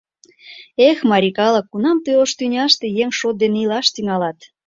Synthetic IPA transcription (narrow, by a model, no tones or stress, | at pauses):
exmɑɾʲikɑləkːunɑmt̪øoʃt̪ynʲɑʃt̪ejeŋʃot̪̚d̪eneilɑʃt̪iŋɑlɑt̪